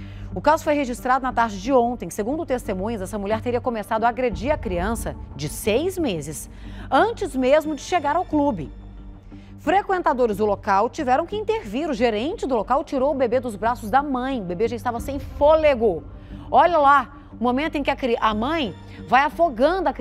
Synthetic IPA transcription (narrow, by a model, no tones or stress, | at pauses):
ʊkazʊ̥fojɦeʒist̪ɾad̪ʊnɐt̪aɾd͡ʒɪd͡ʒɪõnt̪ẽj̃seɡũd̪ʊt̪est̪emũjɲʊzɛsɐmuʎɛɾt̪eɾiɐkõmesad̪ʊaːɡɾed͡ʒiɾɐkɾiɐ̃sɐd͡ʒɪsejzmezɪs | ɐ̃nt͡ʃɪzmezmʊd͡ʒɪʃeɡaɾawklubɪ | fɾekwẽnt̪ad̪oɾɪzd̪ʊlokawt͡ʃivɛɾɐ̃w̃kɪĩnt̪eɾviɾʊʒeɾẽnt͡ʃɪd̪ʊlokawt͡ʃiɾowʊbebed̪ʊzbɾasʊzd̪ɐmɐ̃j̃ʊbebeʒãɪst̪avɐsẽj̃foleɡʊ | ɔʎɐla | ʊmõmẽnt̪ʊẽkɪɐkɾiʔɐmɐ̃j̃ | vajafoɡɐ̃nd̪ʊɐk